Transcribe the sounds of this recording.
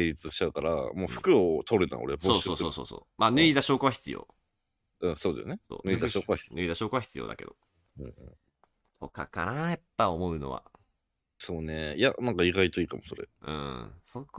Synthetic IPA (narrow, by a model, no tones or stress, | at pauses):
eɾʲit͡sɨɕi̥a̟kaɾa̰moːɸɯ̥kɯ̟ot̪ʰoɾɯt̪ã̰o̰ɾesoːoːsoːso̰ːso̰ːmaːnɯ̟id̪aɕo̞ːkoβaçʲi̥t͡sɨjo̰ː | ɯ̟̃ːsoːd̪ajoneso̰ːnɯ̟id̪aɕoːkoaçi̥ɯ̟id̪aɕo̞ːkoβaçi̥t͡sɨjo̞̰ːd̪a̰ke̞d̪o | ɯ̟̃ːɯ̰̃ɴ | t̪ʰo̞̰ka̰ka̰najapːaomo̞ɯ̟no̞̰βa̰ | soːnejanãŋkaiɡait̪o̞iːkamoso̞ɾḛɯ̟̰̃ːsok